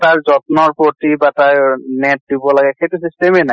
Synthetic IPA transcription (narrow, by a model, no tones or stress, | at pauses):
taɹzɔtnɔɹpɹotibataɹnɛt̚dibɔlaɡɛxejtusistemɛnaj